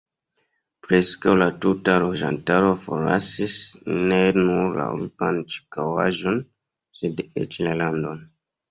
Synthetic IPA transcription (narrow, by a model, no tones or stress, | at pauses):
pɾeskawlatutalod͡ʒa̰ntaɾo̞fo̰ɾa̰sisnenuɾla̰ṵɾupant͡ʃi̥kawaʒon | sedḛt͡ʃilalandon